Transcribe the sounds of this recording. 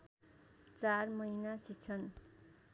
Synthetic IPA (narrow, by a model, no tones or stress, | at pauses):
t͡sarmʌjnasit͡sʰʌn